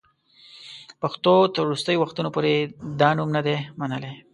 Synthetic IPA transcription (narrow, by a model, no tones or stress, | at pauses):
paxt̪ot̪əɾːust̪əjowaxt̪unopoɾed̪ɑnumnad̪emanəle